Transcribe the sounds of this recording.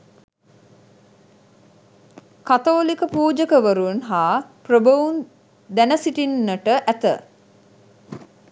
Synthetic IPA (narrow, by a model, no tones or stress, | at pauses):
kat̪oːlikəpuːd͡ʒəkəʋəɾuənɦaːprəbəʋun | d̪ænəsiʈinːəʈəʔæt̪ə̰